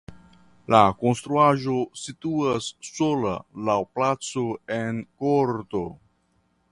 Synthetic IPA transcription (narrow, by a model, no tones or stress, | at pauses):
lako̞nst̪ɾuaʒo̞situasːola̰lawplat͡so̞enkoɾto̞